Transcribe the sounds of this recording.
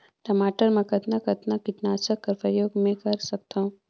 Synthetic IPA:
ʈɐmaːʈəɾmẽkɐt̪nakɐt̪nakɪʈ̪naːt͡ʃəkːɐɾpɐjoːɡmẽkɐɾsɐk̚t̪aũ

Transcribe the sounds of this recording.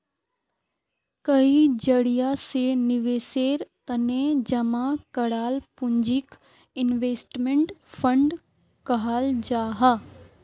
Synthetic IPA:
kɐid͡ʒɐɽijasenɪʋeːseːɾt̪əned͡ʒɐmakɐɽaːlpʊ̃ɲd͡ʒɪk | ɪnʋeːsʈmẽɳʈpʰə̃ɳɖ | kɐɦaːld͡ʒaːɦaː

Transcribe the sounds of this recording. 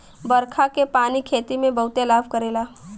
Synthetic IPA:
bɐɾkʰakepaːnikʰeːt̪imẽbɐɦʊt̪elaːbʱkəɾeːlaː

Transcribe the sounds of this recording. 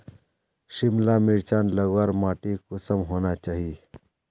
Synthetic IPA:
ʃɪmlamɪɭt͡ʃãnləɡʋaɾmaːʈikʊsəmɦoːnat͡ʃaːɦie

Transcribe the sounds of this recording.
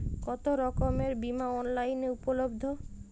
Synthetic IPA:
kɔt̪oɾɔkomeɾbimaɔnlajneupolobd̪ʱo

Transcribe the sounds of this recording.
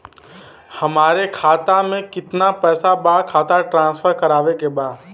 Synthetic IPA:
hɐmaːɾekʰaːt̪amẽkɪt̪napɛːsabaːɽkʰaːt̪aʈɾãːsfʰəɾkɐɾaːʋekebaːd̪

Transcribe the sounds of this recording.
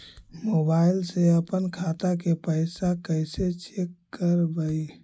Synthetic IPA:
mobailseəpənkʰat̪akepəɪsakəset͡ʃekːəɾbəj

